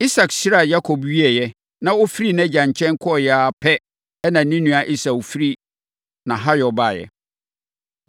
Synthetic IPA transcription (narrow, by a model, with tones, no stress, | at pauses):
i˦sa˨ksi˦ɾa˨ja˦kʰɔ˨bɥi˦ɛ˨jɛ˦ | nã˦o˦fi˦ɾi˦nɛ̃˦d͡ʑã˨ɲ˨t͡ɕʰɛ̃˦n˦kʰɔ˦ɔ˨jɛ˨a˨pʰɛ˦ | ɛ˦nã˨nĩ˦nũ˨a˨ʔi˦sa˨fi˦ɾi˦ | nã˨ɦa˦jɔ˨ba˦˨jɛ̰˨